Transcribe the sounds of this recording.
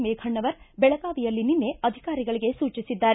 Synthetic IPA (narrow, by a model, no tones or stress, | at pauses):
meːkʰɐɳːɐʋɐɾbɛɭɐkaːʋijɐlːininːe̞ɐd̪ʱikaːɾiɡɐɭiɡe̞suːt͡ʃisid̪ːaːɾe